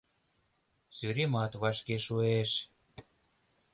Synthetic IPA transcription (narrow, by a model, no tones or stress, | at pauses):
syɾemɑt̪βɑʃkeʃueʃ